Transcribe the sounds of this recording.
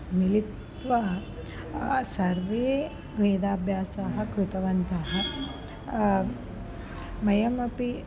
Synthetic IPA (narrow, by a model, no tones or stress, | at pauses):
milit̪ | ʋɐ | sɐɾʋeː | ɡʋeːd̪aːbʱjaːsaːɦɐ̆kɾut̪ɐʋɐnt̪aːɦɐ | mɐjɐmɐpi